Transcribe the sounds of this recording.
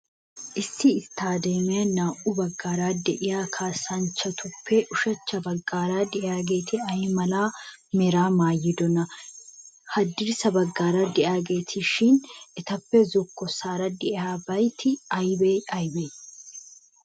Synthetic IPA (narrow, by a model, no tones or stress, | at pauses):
ʔɪsːɪːst̪ʰːaːd̪e̞ːmɛjɐnaːʔʊbɐɡːaːɾaːd̪ɛʔɪjaːkʰaːsːɐnt͡ʃːɐt̪ʰʊpʰːɛʔʊʃɐt͡ʃːɐbɐɡːaːɾaːd̪ɛʔaːɡe̞ːt̪ɪɐjmɐlaː | mɛɾaːmaːjːɪd̪ɔnɐ | hɐd̪ɪɾsɐbɐɡːaːɾaːd̪ɛʔaːɡe̞ːt̪ʰɪʃɪnʔɛt̪ɐpːɛzɔkːɔsaːɾɐd̪ɛʔɪaːbɐjt̪ʰɪɐjbeɐjbeː